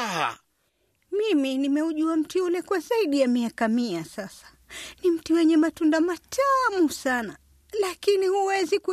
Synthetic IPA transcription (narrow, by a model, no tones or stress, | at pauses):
a | miminimɛuʄuam̩tiulɛkwazaiɗijamiakamiasasḁ | nim̩tiwɛɲɛmatundamatʰamusana | lakinihuwɛziku